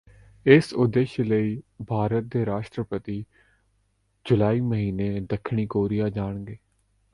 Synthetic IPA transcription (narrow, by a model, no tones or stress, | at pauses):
ɪsʊd̪eːʃləiːbʱaːɾət̪̚d̪eːɾaːʃʈɾəpət̪iː | d͡ʒʊlaːiːməɦiːneːd̪əkʰɳ̃iːkoːɾijaːd͡ʒaːɳ̃ɡeː